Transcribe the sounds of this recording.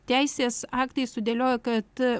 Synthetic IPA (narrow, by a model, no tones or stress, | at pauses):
t̪ʲɛɪsʲeːsɑːkt̪ɐɪsʊd̪ʲeːlʲoːjokɐt̪